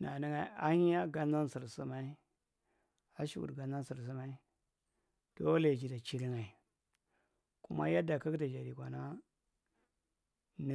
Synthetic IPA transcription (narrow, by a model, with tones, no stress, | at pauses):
na˨ni˦ŋa˨˦a˦hi˦ja˦ɡa˦n˦a˦n˦si˨ɾsu˦ma˦i˦ | a˦ʃṵ˨ɡṵ˨ɡa˨nza˦n˦si˨ɾs̬i˦ma˦i˦ | d̥o˦la˨d͡ʒi˨da˨t͡ʃi˦ɾi˦ŋa˨i˨ | kṵ˦ma̰˦ja˦da˨ka˦kda˨d͡ʒa˨ɾi˨kʷa˨na˦ | n˦